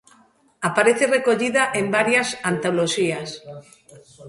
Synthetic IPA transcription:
apaɾeθerekoʎiðaʔembaɾjasant̪oloʃias

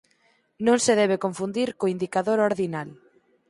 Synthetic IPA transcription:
nõŋseðɛβekoɱfund̪iɾkoind̪ikaðoɾoɾðinal

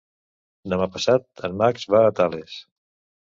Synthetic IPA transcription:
d̪əmapəsat̪̚ənmakzβaːt̪ales

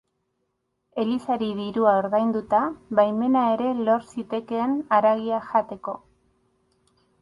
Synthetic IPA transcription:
e̞lisaɾiðiɾuaoɾðajnd̪ut̪aβajme̞nae̞ɾe̞lo̞ɾsit̪e̞ke̞ːnaɾaɣiaʝat̪e̞ko̞

